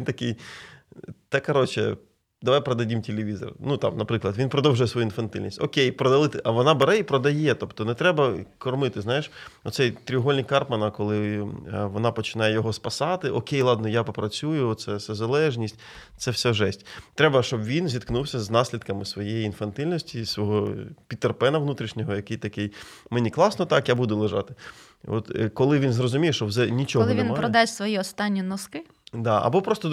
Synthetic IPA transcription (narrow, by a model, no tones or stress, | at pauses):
ʋʲint̪ɐkɪj | t̪ɛkːɐɾɔt͡ʃɛ̰ | d̪ɐʋajpɾɐd̪ɐdʲimtʲelʲeʋʲizɔ̰rnut̪ɑ̰mnɐpɾɪklˠɐd̪ʋinpɾɔd̪ɔwʐʊjɛsʋɔjuinfɐnt̪ɪ̰lʲnʲisʲtʲɔ̰kʲejpɾɔd̪ɐlˠɪt̪ɪʔɐʋɔnɑbɛɾɛipɾɔd̪ɐjɛt̪ɔpt̪ɔnɛt̪ɾɛbɐkɔrmɪt̪ɪznɑjɪʃɔ̰t̪sɛjt̪ɾʲiɦɔlʲnʲijkɑrpmɐnɐkɔlˠɪʋɔnɑpɔt͡ʃɪ̥nɑjɛjɔɦɔspɐsɑt̪ɪʔɔkʲejlˠɑd̪nɔjapɔpɾɐt͡sʲujʊɔt̪sɛsɛzɐlˠɛʒnʲisʲtʲ | t̪sɛwsʲɛʒɛsʲtʲt̪ɾɛbɐʃt͡ʃɔbʋʲinzʲit̪knuwsʲɐznɑsʲlʲid̪kɐmɪsʋɔjejiːnfɐnt̪ɪlʲnɔsʲtʲisʋɔɦɔpʲit̪ːerpɛnɐʋnut̪ɾʲiʃnʲɔɦɔjɐkɪjt̪ɐkɪjmenʲiklˠɑsnɔt̪ɑkjabud̪ʊlˠɪʒɑ̰t̪ɪ | ɔ̰t̪kɔlˠɪʋʲinzrɔzʊmʲijeʃt͡ʃɔwzɛnʲit͡ʃɔlˠɪʋʲinpɾɔd̪ɑsʋɔjiɔst̪ɑnʲːinɔskɪ | d̪ɑɐ̰bɔpɾɔst̪ɔ